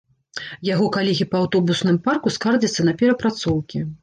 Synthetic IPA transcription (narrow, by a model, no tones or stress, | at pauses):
jaɣɔkalʲɛɣʲipɐawt̪ɔbusnɨmparkuskard͡zʲɐt̪sːɐnɐpʲɛɾɐpɾat̪sɔwkʲi